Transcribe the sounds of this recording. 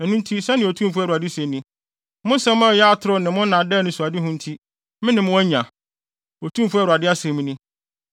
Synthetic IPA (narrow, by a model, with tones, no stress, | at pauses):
ɛ˨nũ˦n̩˦tʰi˦sɛ˦nɪ̃˨o˨tʰũ˦m˨fu˦ɛ˨ɾu˨a˨dɪ˦se˨nĩ˦ | mʊ̃˦n̩˦sɛ̃˦m̃˦˨jɛ˦a˦tʰʊ˦ɾʊ˦nɪ̃˨mʊ̃˦n˦nã˨dɛ˦nʊ̃˦su˨a˨dɪ˦ɦʊ̃˦n̩˦tʰi˦ | mɪ̃˦nɪ̃˨mʊ̃˦æ˦ɲã˨ | o˨tʰũ˦m˨fʊ˦ɛ˦ɾa˨dɪ˦a˦sɛ̃˨mĩ˦nɪ̃˦